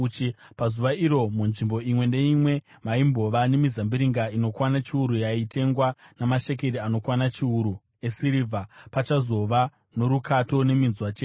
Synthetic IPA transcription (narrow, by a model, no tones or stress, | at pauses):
t͡ʃi | pazuʋaiɾo̞munʐimbo̞imwe̞nde̞imwe̞ | maimbo̞ʋane̞mizambiɾiŋɡaino̞kwanat͡ʃiuɾujaitʰe̞ŋɡwanamaʃe̞k̬e̞ɾiano̞kwanat͡ʃiuɾu | e̞siɾivʱapat͡ʃazo̞ʋa | no̞ɾukʰato̞ne̞minzwat͡ʃeː